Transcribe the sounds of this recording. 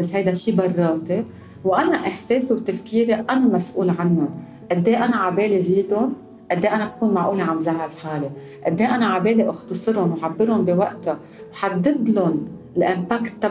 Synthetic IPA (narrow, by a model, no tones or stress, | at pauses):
bashajd̪aʃiːbɑrˤːɑːt̪e | wʔanaʔɪħseːsewt̪afkiːɾeʔanamasʔuːlʕanːʊn | ʔad̪ːeːʔanaʕabeːleziːd̪ʊn | ʔad̪ːeːʔanabakuːnmaʕʔuːleʕamzaʕalħaːle | ʔad̪ːeːjʔanaʕabeːleʔʊxt̪ɑsˤɨɾʊnwħabːɪɾʊnbiwaʔt̪a | wħad̪ːɪd̪lʊn | lʔɪmpaːkt̪ːa